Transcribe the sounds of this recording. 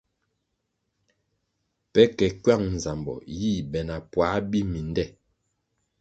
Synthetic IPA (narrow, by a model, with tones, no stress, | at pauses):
pɛ˦kɛ˨kɥa˦˨ŋn˨za˨mbɔ̰˨jiː˦˨bɛ˨na˨pwa˨˦bi˦mi˨ndɛ˦˨